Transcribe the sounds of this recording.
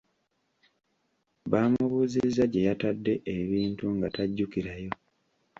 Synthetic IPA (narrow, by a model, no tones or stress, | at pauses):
βaːmuβuːzizaɟe̞jatadːe̞ʔeβiːntuŋɡataɟːukiɾajo̞